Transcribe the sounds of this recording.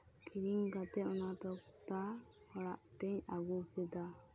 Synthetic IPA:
kʰiɾiŋkat̪ɛɔnat̪ɔk | t̪a | hɔɽaʔt̪ɛɲaɡupɛd̪a

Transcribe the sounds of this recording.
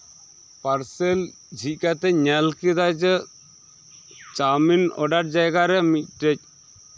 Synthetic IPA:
pɐɾsɛl | d͡ʒʱit̚ˀkat̪ɛɲalkid̪ad͡ʒɛ | t͡ʃaminɔ̰ɖaʈ̚d͡ʒajɡaɾɛmic̚ʈɛc̚

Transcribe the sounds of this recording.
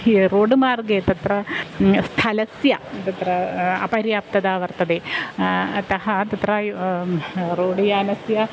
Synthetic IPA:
ɾoːɖɨmaːrɡet̪ɐt̪ɾɐst̪ʰɐlɐsjɐt̪ɐt̪ɾɐɐ̰pɐɾjaːp̚t̪ɐd̪aːʋɐrt̪ɐd̪e | t̪ɐɦɐt̪ɐt̪ɾɐ | ɾoːɖɐjaːnɐsjɐ

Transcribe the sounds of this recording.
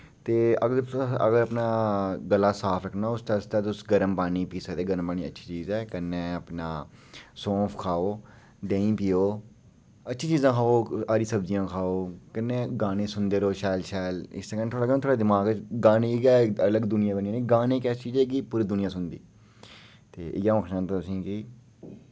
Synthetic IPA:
t̪eːəɡə̰ɡəɾəpnaːɡəlːaːsaːpʰɾəkʰnaːʊst̪ast̪aːt̪ʊsɡəɾəmpaːniːpiːsəkd̪eːɡəɾəmpaːñiːə̰tːʃʰiːt͡ʃiːzɛːkənːeːəpnãːsɔ̃ːpʰkʰaːoː | ɖẽːĩːpiːoː | ətːʃʰiːt͡ʃiːzãːkʰaːoːaːɾiːsəbd͡ʒɪjãːkʰaːoːkənːẽːɡaːneːsʊnd̪eːɾoːʃɛːlʃɛːlɪ̰st̪eːkənːt̪ʰoːɽaːɡəñːt̪ʰoːɽaːd̪ɪmaːɡɡaːneːɡɛːələɡd̪ʊnɪjãːbəniãːnẽːɡaːnẽːkɛːst͡ʃiːzɛːk̬ipuːɾiːd̪ʊnɪjãːsʊnd̪ḭː | t̪eːʔɪ̰jãːəkʰʃãːnt̪ãːt̪ʊsĩːkɪ

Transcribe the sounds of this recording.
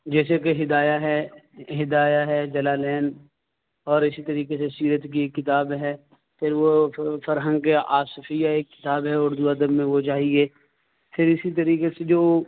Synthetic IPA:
d͡ʒɛːsekeɦɪd̪aːjaɦɛɦɪd̪aːjaɦɛd͡ʒɐlaːlɛːn | ɔːɾɪsit̪ɐɾiːkesesiːɾət̪kiekːɪt̪aːbɦɛ | pʰɪɾʋofɐɾɦə̃ŋɡkeaːsfijaeːkːɪ̥t̪aːbɦɛʊːɾd̪uad̪əbmẽʋot͡ʃaːɦieː | pʰɪɾɪsit̪̬ɐɾiːkesed͡ʒoː

